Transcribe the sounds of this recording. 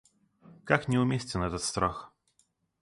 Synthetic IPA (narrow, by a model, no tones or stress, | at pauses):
kaknʲɪʊmʲesʲtʲɪnɛt̪ət̪st̪ɾax